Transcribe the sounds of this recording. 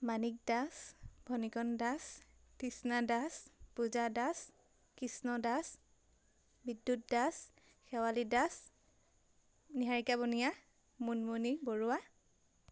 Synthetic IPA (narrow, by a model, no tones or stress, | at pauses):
manik̚dasbʱɔnikɔndastisnadaspuzadas | kisnɔdas | bidːut̚das | xɛwalidas | niɦaɹikabɔnija | munmuniboɹuwa